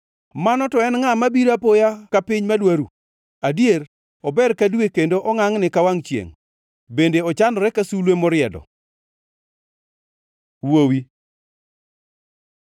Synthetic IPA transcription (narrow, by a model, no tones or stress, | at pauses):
manɔtɔɛnŋamabiɾapojakapɪɲmadwaɾṵ | adjeɾ | ɔbɛɾkadwekendoʔɔŋaŋnɪkawaŋt͡ʃjḛŋ | bendeɔt͡ʃanɔɾɛkasulwemɔɾɪjɛdɔ̰ | wowi